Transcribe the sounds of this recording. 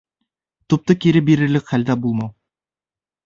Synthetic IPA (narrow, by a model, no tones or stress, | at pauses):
t̪up̚t̪ɤkiɾɘbiɾɘ̆ɾlɘkχæld̪æbulˠmɑw